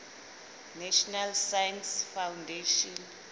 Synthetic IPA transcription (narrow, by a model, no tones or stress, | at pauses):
nɛʃɔnalsajansfawndeʃɔn